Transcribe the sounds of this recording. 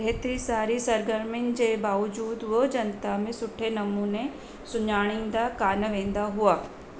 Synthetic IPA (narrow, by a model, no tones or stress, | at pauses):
ɦɛt̪ɾisaːɾisɐɾɡəɾmɪnd͡ʒebaːʋd͡ʒuːd̪ʋəd͡ʒɐnt̪amẽsʊʈʰenɐmuːne | sʊɲaːɽ̃ɪ̃ŋd̪akaːnəʋẽːnd̪aɦuaː